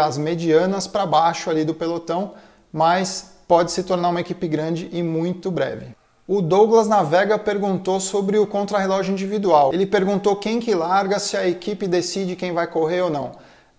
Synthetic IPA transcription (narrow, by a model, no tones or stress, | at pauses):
ɐzmed͡ʒiɐ̃nɐspɾɐbajʃʊalid̪ʊpelot̪ɐ̃w̃ | mɐs | pɔd͡ʒɪsɪt̪oɾnaɾũmɐekipɪɡɾɐ̃d͡ʒɪʔɪmũj̃t̪ʊbɾɛ̰vɪ̰ | ʊd̪owɡlɐznavɛɡɐpeɾɡũnt̪osobɾɪʊkõnt̪ɾɐɦelɔʒʊĩnd͡ʒivid̪uawelɪpeɾɡũt̪okẽj̃kɪlaɾɡɐsɪɐekipɪd̪esid͡ʒɪkẽj̃vajkoɦeɾonɐ̰̃w̃